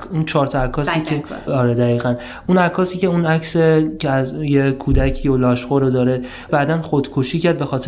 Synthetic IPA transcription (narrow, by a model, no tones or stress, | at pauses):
unt͡ʃʰɒːɾt̪ʰɒækʰɒːsiːkʰeɒɾed̪æɣiːɣæn | unækʰɒːsiːce̞unæcʰsecʰeæzjekʰuːd̪æcʰiːjolɒːʃɢoɾod̪ɒːɾe̞ | bæːd̪ænχod̪̥kʰoʃiːcæɾd̪̚be̞xɒːt̪ʰe